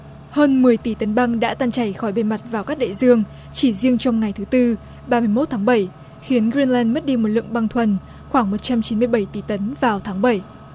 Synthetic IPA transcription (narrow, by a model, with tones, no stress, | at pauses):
həː˧nmɨ˨˩əjt̪i˧˩t̪ə˨˦nɓa˧ŋɗa̰ː˧˥t̪aː˧nt͡ɕa˧˩jxɔ˧˩jɓe˧ma˨˩t̚vaː˨˩wkaː˦˥k̚ɗḛ˧˨zɨ˧əŋ | t͡ɕi˧˩zi˧əŋt͡ɕɔ˧wŋ͡mŋa˨˩jt̪ʰɨ˨˦t̪ɨ˧ | ɓaː˧mɨ˧əjmo˦˥t̪̚ʰːŋɓə˧˩j | xi˨˦ənɣɾi˧nlɛ˧nmə˦˥t̚ɗi˧mo˨˩t̚lɨ̰˧˨ə˨ŋɓa˧ŋt̪ʰwə˨˩n | xwaː˧˩ŋmo˨˩t̚t͡ɕa˧mt͡ɕi˨˦nmɨ˧əjɓə˧˩jt̪i˧˩t̪ə˨˦nvaː˨˩wt̪ʰaː˨˦ŋɓə˧˩j